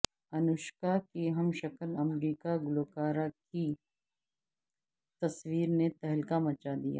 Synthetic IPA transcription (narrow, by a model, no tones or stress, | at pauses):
ɐnʊʃkakiɦɐmʃɐkəlɐmɾiːkaɡʊloːkaːɾaki | t̪ɐswiːɾnet̪ɛɦlkamɐt͡ʃad̪ija̰ː